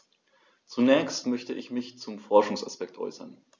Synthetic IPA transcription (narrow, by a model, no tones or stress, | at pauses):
t͡sunɛːçstmœçtəʔɪçmɪçt͡sʊmfɔɐʃʊŋsa̰spɛk̚tʔɔ̰ʏsɐ̰n